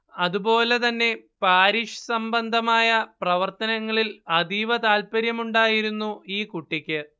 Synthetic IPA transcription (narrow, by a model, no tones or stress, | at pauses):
ɐðubo̞ːle̞t̪ɐnːe̞paːɾiːʂɐ̥sɐmbɐnd̪ʱɐmaːjɐprɐʋɐrt̪ɐnɐŋːɐɭilɐd̪iʋɐt̪aːlpɐɾjɐmuɳɖaːjiɾunːuiːkuʈːikʲːɨ